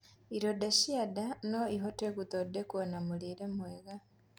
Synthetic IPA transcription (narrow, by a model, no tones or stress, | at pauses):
iɾodaʃiadanoiɦotekut̪odekwonamuliɾemweɣa